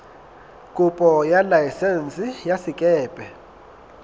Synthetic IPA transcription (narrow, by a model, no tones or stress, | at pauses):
kʼupʼɔjalajsɛnt͡sʼijasɪkʼɛːpʼɛ